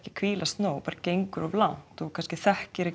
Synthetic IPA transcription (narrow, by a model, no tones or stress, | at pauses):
hcɪ̥kʰviːlast̪noːwpaːɾacejŋkʏɾɔvlawn̥t̪ɔkʰanscɪθɛhcɪɾɪ